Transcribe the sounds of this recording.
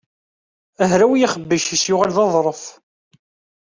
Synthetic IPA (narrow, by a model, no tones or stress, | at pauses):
əɦɾæwijæχəbːəʃisjʊʁalðɑðˤɾˤəf